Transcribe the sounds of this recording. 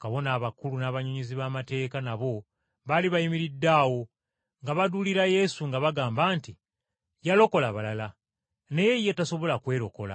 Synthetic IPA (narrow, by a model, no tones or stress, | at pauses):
kaβo̞naːβakulunaːβaɲoɲiziβamate̞ːkanaβo̞ | βaliβajimiɾidːaːwo̞ | ŋɡaβaduliɾaje̞suŋɡaβaɡaːmbaːnti | jalo̞ko̞laβalala | ne̞je̞jetaso̞βo̞lakwe̞ːɾo̞ko̞la̰